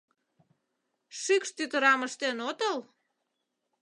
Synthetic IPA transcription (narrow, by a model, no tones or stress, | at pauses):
ʃykʃt̪yt̪əɾɑməʃt̪enot̪əl